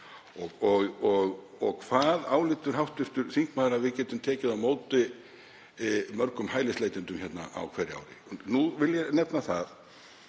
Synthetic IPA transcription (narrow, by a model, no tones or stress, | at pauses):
ɔɣɔɣɔɣ | ɔɣkʰv̥aðaːwlɪːt̪ʏɾ̥ɦawht̪ʏst̪ʏɾθiŋkmaːðɾavɪðcɛːt̪ʏmt̪ʰɛːcɪðamoːwt̪ɪ | mœɾkʏmhaːjlɪsleːjt̪ɪnt̪ʏmçɛt̪na̰ʔa̰wkʰvɛɾɪa̰wɾɪ̰nuvɪljɛnɛpnaθað